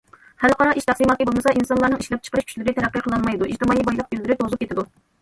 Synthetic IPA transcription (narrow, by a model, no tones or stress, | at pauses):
hælqɑɾɑiʃt̪ʰæsimɑt̪ɨbolˠmɨsɑinsɑnlˠɑɾnɨŋiʃlɛp̚t͡ʃʰə̥qəɾɨʃkʰʲy̥t͡ʃʰʲlɪɾɪt̪ʰɛɾæqːiqʰəlˠɑnmɑjd̪uʔid͡ʒt̪ɨmɑːibɑjlˠəq̚byld̪ɪɾɪt̪ʰozup̚kʲet̪ɪd̪u